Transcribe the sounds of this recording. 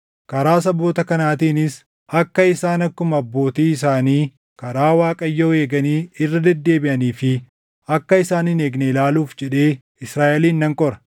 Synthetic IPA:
kɐɾaːs̬ɐbo̞ːt̪ɐkɐnaːt̪iːnɪs | ɐkːɐɪsaːnɐkːʊmɐɐbːo̞ːt̪iːɪs̬aːniː | kɐɾaːwaːkʼɐjːoːe̞ːɡɐniːɪrːɐd̪ɛd̪ːe̞ːbɪʔɐniːfɪ | ɐkːɐɪsaːnɪneːɡneɪlaːluːfd͡ʒɛᶑe̞ː | ɪsɾaːʔɛliːnːɐŋkʼɔɾɐ̥

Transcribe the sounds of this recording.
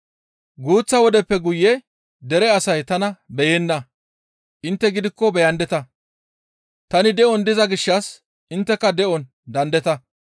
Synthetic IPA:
ɡuːt͡sːɐwɔd̪ɛpːɛɡʊjːɛ | d̪ɛɾɛɐsɐjt̪ɐnɐbɛjenːɐ | ʔɪnt̪ːɛɡɪd̪ɪkːɔbɛjɐnd̪ɛt̪ɐ | t̪ɐnɪd̪ɛʔɔnd̪ɪzɐɡɪʃːɐs | ʔɪnt̪ːɛkːɐd̪ɛʔɔn | d̪ɐnd̪ɛt̪ɐ

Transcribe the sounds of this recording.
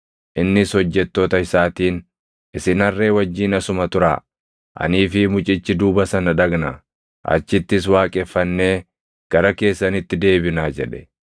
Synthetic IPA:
ʔɪnːɪshɔd͡ʒːɛt̪ːo̞ːt̪ɐɪsaːt̪iːn | ʔɪsɪnɐrːe̞ːwɐd͡ʒːiːnɐsʊmɐt̪ʊɾa̰ː | ʔɐ̰niːfɪmʊt͡ʃʼɪt͡ʃːɪd̪uːbɐsɐnɐᶑɐɡnɐ | ʔɐ̰t͡ʃːɪt̪ːɪs̬waːkʼɛfːɐnːe̞ː | ɡ̥ɐɾɐke̞ːsːɐnɪt̪ːɪd̪e̞ːbɪnaːd͡ʒɛᶑɛ̥

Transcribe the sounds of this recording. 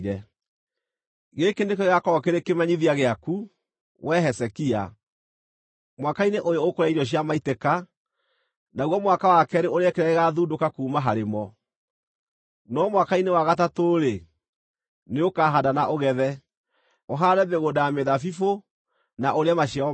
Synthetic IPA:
ɾɛ | ɣekenekeɣakɔɔkeɾekemaɲiðiaɣeaku | wʔɛɦɛsɛkia̰ | mwakaineʔojɔokoɾaiɾɔɕ̬jamaiteka | naɣwɔmwakawakɛɾeoɾeɛkeɾɛeɣaðudokakuːmaɦaɾemɔ | nɔmwakainewaɣat̬atoɾe | neokaɦadanaʔoɣɛðɛ | oɦaɾɛbeɣodajameðafifo | naʔoɾeamaɕia

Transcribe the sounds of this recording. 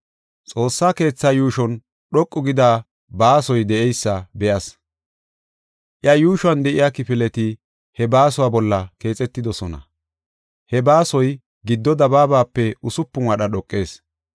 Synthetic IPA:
t͡sʼo̞ːsːaːke̞ːt͡sːaːjuːʃɔn | ɗɔkʼːʊɡɪd̪aː | baːsɔjd̪ɛʔɛjsːɐbɛjɐs | ʔɪɐjuːʃʊwɐnd̪ɛʔɪjaːkɪpɪlɛt̪ɪ | hɛbaːsʊwaːbɔlːɐke̞ːt͡sʼɛt̪ːɪd̪ɔsɔnɐ̰ | hɛbaːsɔj | ɡɪd̪ːɔd̪ɐbaːbaːpːɛʔʊsʊpːʊŋɐɗɐɗɔkʼːe̞ːs

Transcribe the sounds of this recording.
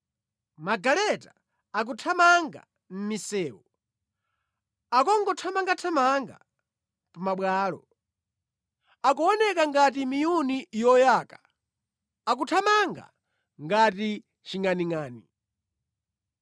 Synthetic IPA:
maɡalɛtḁ | ak̬utʰamaŋɡa̰ | m̩misɛːwɔ | akɔŋɡɔtʰamaŋɡatʰamaŋɡa̰ | pamaɓwaːlɔ̰ | ak̬uɔnɛkaŋɡat̬imijunijɔjaːka | ak̬utʰamaŋɡa̰ | ŋɡati | t͡ʃiŋaniŋaːni

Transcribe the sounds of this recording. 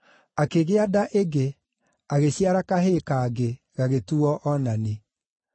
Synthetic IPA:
akeɣeadaʔeɡe | aɣeɕjaɾakaɦekaɡe | ɣaɣetuɔʔɔnane

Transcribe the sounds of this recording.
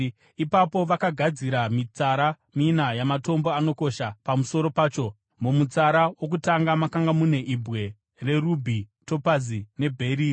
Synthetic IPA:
ipapo̞ʋakaɡʱad͡ziɾamit͡saɾa | minajamato̞mboano̞ko̞ʃapamuso̞ɾo̞paːt͡ʃo̞ | mumut͡saɾawok̬utaŋɡamakaŋɡamune̞ʔibʱɣe̞ | re̞rubʱito̞pazine̞bʱe̞ɾi

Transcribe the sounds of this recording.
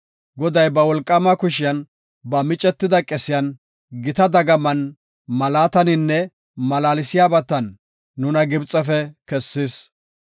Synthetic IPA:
ɡɔd̪ɐjbɐwɔlkʼːɐmɐkʊʃɪjɐn | bɐmɪt͡ʃʼɛt̪ːɪd̪ɐkʼɛsɪjɐn | ɡɪt̪ɐd̪ɐɡɐmɐn | mɐlaːt̪ɐnɪnːɛ | mɐlaːlɪsɪjaːbɐt̪ːɐnː | ʊnɐɡɪbt͡sʼːɛfɛkɛsːɪs

